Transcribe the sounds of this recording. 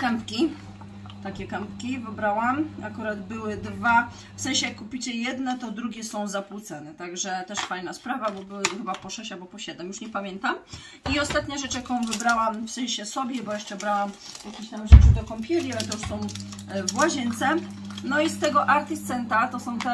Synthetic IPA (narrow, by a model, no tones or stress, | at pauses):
kɛmpkʲi | t̪akʲɛkɛmpkʲivɘbɾawamakuɾad̪bɘwɘd̪va | fsɛ̃w̃ɕɛjakːupʲit͡ɕɛjɛd̪nɛt̪ɔd̪ɾuɡʲɛsɔ̃w̃zapwut̪sanɛt̪aɡʐɛt̪ɛʂfajnaspɾavabɔbɘwxɘbapɔʂɛɕabɔpɔɕɛd̪ɛmjuʂɲɛpamʲjɛnt̪am | iɔst̪at̪ɲaʐɛt͡ʂjakɔ̃w̃vɘbɾawamfsɛ̃j̃ɕɛsɔbʲjɛbɔjɛʂt͡ʂɛbɾawamjakʲiɕt̪amʐɛt͡ʂɘd̪ɔkɔmpʲɛlʲialɛt̪ɔuʂsɔ̃w̃ | vwaʑɛnt̪sɛ | nɔist̪ɛɡɔʔaɾt̪ist̪sɛnt̪at̪ɔsɔ̃w̃t̪ɛ